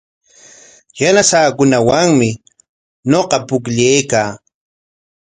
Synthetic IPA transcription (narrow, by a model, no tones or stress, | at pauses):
janasaːkʊnawaŋmɪ | ɲoqɑpʊkʎejkaː